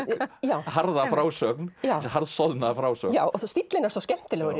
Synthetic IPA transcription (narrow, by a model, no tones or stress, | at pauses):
jaːwhaɾðafɾaːwsœknjaːwhaɾðsɔðnafɾaːwsœ̰jaːwɔθst̪it̪lɪnːaɾsɔscɛm̥t̪ɪlɛɣʏ